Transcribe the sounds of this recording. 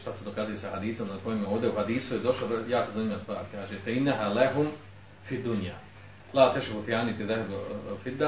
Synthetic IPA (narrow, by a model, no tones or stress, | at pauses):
ʃt̪ased̪o̞kazujesahad̪iːso̞mnako̞jimeoːʋd̪euhad̪iːsujed̪o̞ʃojaːkozanimʲjʲeast̪ʋaːɾkaːʒet̪ɛinːaɦaːlaɦum | fid̪unjaː | laːt̪eʃhufijaːnit̪iðahbfid̪ːa